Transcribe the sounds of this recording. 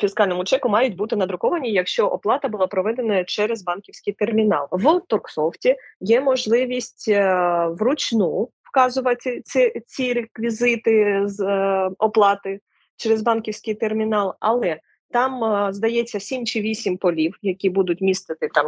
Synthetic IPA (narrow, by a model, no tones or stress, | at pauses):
fʲiskɑlʲnɔmʊt͡ʃɛkʊmɑjʊtʲbut̪ɪnɐd̪ɾʊkɔʋɐnʲijɐkʃt͡ʃɔʔɔplˠɑt̪ɐbʊlˠɑpɾɔʋɛd̪enɐt͡ʃɛɾezbɑnkʲiwsʲkɪjt̪ermʲinɑ̰lˠʋt̪ɔrksɔwtʲijɛmɔʒlˠɪʋʲisʲtʲʋrʊt͡ʃʲnuwkɑzʊʋɐt̪ʲɪt͡sʲɪt͡sʲiɾekʋʲizɪt̪ɪzɔplˠɑt̪ɪ | t͡ʃɛɾezbɑnkʲiwsʲkɪjt̪ermʲinɑlˠɐ̰lˠɛ | t̪ɑmzd̪ɐjɛt͡sʲːɐsʲimt͡ʃɪʋʲisʲimpɔlʲiwjɐkʲibud̪ʊtʲmʲist̪ɪt̪ɪt̪ɑm